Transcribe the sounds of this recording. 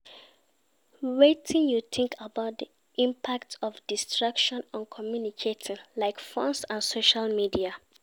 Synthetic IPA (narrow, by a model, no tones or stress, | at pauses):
ɹetʰĩnjuθʰɪ̃ŋkʰabaʊt̚di | ʔĩmpʰak̚tɔfdistɹakʃɔ̃nãnkʰɔmjunikʰetʰĩnlaɪkfɔ̃nsãnsoʃalmidia